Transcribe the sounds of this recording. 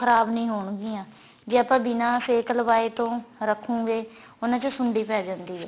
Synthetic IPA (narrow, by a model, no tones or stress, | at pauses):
əɾaːbnĩːɦoːɳɡĩːãː | d͡ʒeːapãːbɪnãːpʰeːkəlʋaːeːt̪õːɾəkʰːũːɡeː | ʊnãːt͡ʃəsʊɳɖiːpɛːd͡ʒãːnd̪iːɦɛː